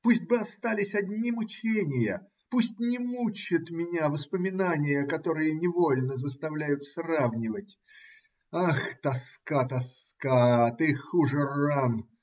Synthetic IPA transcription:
pusʲt̚ʲbɨɐst̪alʲɪsʲɐdʲnʲimʊt͡ɕenʲɪjə | pusʲtʲnʲɪmut͡ɕɪt̪mʲɪnʲavəspəmʲɪnanʲɪjəkɐt̪o̞ɾɨjənʲɪvo̞lʲnəzəst̪ɐvlʲæjʊt̪sravnʲɪvətʲ | axt̪ɐskat̪ɐskat̪ɨxuʐɨran

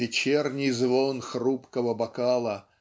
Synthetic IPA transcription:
ɪt͡ɕernʲɪjzvonxrupkəvəbɐkalˠə

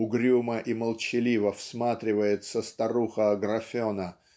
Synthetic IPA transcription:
ʊɡɾʲuməʔiməlˠt͡ɕɪlʲivəfsmat̪ɾʲɪvəjɪt̪səst̪ɐɾuxəɡrɐfʲonə

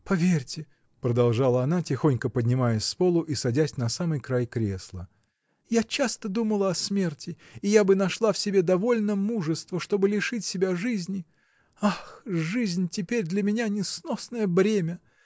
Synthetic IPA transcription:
pɐvʲerʲtʲɪ | pɾəd̪ɐlˠʐalˠəɐnatʲɪxo̞nʲkəpədʲnʲɪmajəsʲspolˠʊʔisɐdʲæsʲnɐsamɨjkɾajkɾʲḛslˠə | jat͡ɕast̪əd̪uməlˠəɐsmʲe̞rtʲɪː | jabɨnɐʂlˠafsʲɪbʲe̞d̪ɐvo̞lʲnəmuʐɨst̪vəʂt̪o̞bɨlʲɪʂɨtʲsʲɪbʲaʐɨzʲnʲɪ | axʐɨzʲnʲtʲɪpʲeɾʲd̪lʲəmʲɪnʲanʲɪsnosnəjəbɾʲemʲə

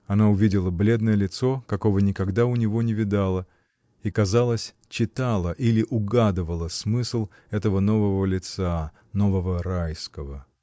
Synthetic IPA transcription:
ɐnaʊvʲidʲɪlˠəblʲe̞d̪nəjəlʲɪt̪so̞kɐko̞vənʲɪkɐɡd̪aʊnʲɪvo̞nʲɪvʲɪd̪alˠə | ikɐzalˠəsʲ | t͡ɕɪt̪alˠəʔilʲɪʔʊɡad̪ɨvəlˠəsmɨslˠ | ɛt̪əvəno̞vəvəlʲɪt̪sa | no̞vəvəɾajskəvə

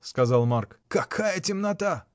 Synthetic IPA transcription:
skɐzɑlˠmarkkɐkʰajətʲɪmnɐt̪a

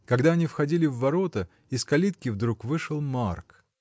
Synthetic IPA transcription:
kɐɡd̪aɐnʲifxɐdʲilʲɪvːɐɾo̞t̪ə | ɪskɐlʲit̪̚kʲɪvd̪ɾukvɨʂɨlˠmark

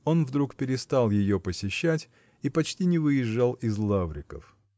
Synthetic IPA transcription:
o̞nvd̪ɾukpʲɪɾʲɪst̪alˠjɪjopəsʲɪɕːætʲ | ipɐt͡ɕtʲinʲɪvɨjɪʐːalˠɪzlˠavɾʲɪkə̰f

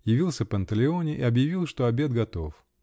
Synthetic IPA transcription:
jɪvʲilˠsʲəpənt̪əlʲɪo̞nʲɪʔɪɐbjɪvʲilˠʂt̪o̞ɐbʲe̞d̪̚ɡɐt̪o̞f

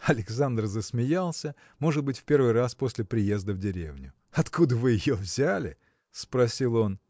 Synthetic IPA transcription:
ɐlʲɪks̬and̪r̩zəsmʲɪjalˠsʲə | mo̞ʐɨd̪̚bɨtʲfʲpʲe̞rvɨjraspo̞sʲlʲɪpɾʲɪje̞zd̪əvdʲɪɾʲḛvnʲʊ | ɐt̪kud̪əvɨjɪjovzʲælʲɪ̰ | spɾɐsʲilˠo̞n

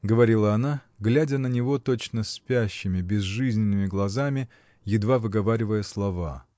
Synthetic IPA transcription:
ɡəvɐɾʲilˠəɐna | ɡlʲædʲənənʲɪvo̞t̪o̞t͡ɕnəsʲpʲæɕːɪmʲɪbʲɪzʐɨzʲnʲɪnːɨmʲɪɡlˠɐzamʲɪ | jɪd̪vavɨɡɐvaɾʲɪvəjəslˠɐva̰

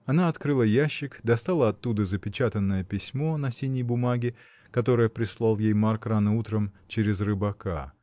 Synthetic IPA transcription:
ɐnaɐt̪kɾɨlˠəjæɕːɪkd̪ɐst̪alˠəɐt̪ːud̪əzəpʲɪt͡ɕat̪ənːəjəpʲɪsʲmo̞nɐsʲinʲjəjbʊmaɡʲɪ | kɐt̪o̞ɾəjəpɾʲɪslˠalˠjejmarkɾanɨut̪ɾəmt͡ɕeɾʲɪzrɨbɐka̰

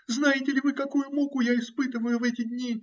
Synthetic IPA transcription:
znajɪtʲɪlʲɪvɨkɐkujʊmokʊjaɪspɨt̪ɨvəjʊvɛtʲɪd̪ʲnʲi

